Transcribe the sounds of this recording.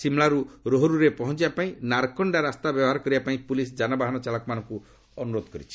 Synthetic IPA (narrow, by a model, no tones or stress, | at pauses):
simɭaɾuɾoɦɔɾuɾepɔɦɔnt͡ʃibapaĩnaɾkɔɳɖaɾast̪abjɔbɔɦaɾɔkɔɾibapaĩpulis̬d͡ʒanɔbaɦanɔt͡ʃalɔkɔmanɔ̃ŋku | ɔnuɾod̪ɔkɔɾit͡ʃʰi̥